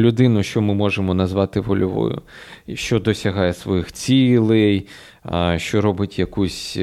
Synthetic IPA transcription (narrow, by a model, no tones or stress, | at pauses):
lʲʊd̪ɪnʊʃt͡ʃɔmɪmɔʒemɔnɐzʋɑt̪ɪʋɔlʲʊʋɔ̰jʊ̰ʃt͡ʃɔd̪ɔsʲɐɦɑjɛsʋɔjixt͡sʲilˠɪj | ʃt͡ʃɔɾɔbɪtʲjɐkusʲ